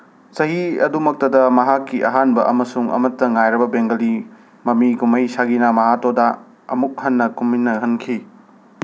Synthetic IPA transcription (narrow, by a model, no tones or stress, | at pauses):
sɐɦiɐ̰dumɐk̚tɐdɐmɐɦakːiʔɐɦanbɐʔɐmɐsuŋɐ̰mɐtːɐŋajɾɐbɐbeŋɡɐli | mɐmiɡumɐjsaɡinamɐɦatodɐ | ɐ̰muk̚hɐnːɐkumːinːɐɦɐnkʰi